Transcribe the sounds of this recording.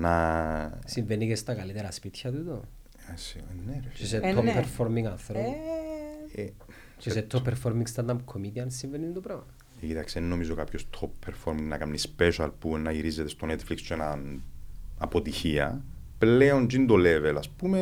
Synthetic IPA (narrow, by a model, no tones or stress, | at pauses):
nɐ | siɱvenːicest̪ɐkɐlit̪eɾɐspit̪çɐt̪ut̪o | esienːeɾt͡ʃiset̪ʰːopːeɾfoɾmiŋɡɐnθɾo | e | t͡ʃeset̪ʰːopːeɾfoɾmiŋɡst̪ɐnd̪ɐmkʰomit̪iɐnsiɱvenːind̪opɾoɐ | ecit̪aksienːo̞mizokapçost̪ʰoppʰːeɾfoɾmiŋnɐkamnispeʃɐlpunːɐiɾizet̪est̪o̞net̪flikst͡ʃenɐn | ɐpot̪içiɐ̰ | pleond͡ʒind̪olevelɐspume